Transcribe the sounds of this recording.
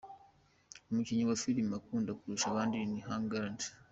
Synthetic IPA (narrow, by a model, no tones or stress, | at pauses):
omuciɲiwasiɾimakuːndakuɾuʃaβaːndiniɦaŋɡaɾanti̥